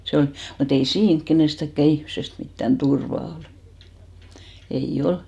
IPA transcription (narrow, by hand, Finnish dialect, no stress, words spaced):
se on mut ei siːŋk kenestækːæ ihmsest mitːæn turʋɑ ol ei ol